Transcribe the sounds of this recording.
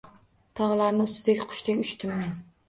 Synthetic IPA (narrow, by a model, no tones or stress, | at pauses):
t̪ʰɒʁlˠaɾnɪʊst̪ɪd̪ekʲqʰʊ̥ʃt̪ekʲʊʃt̪ʰɪmːɪn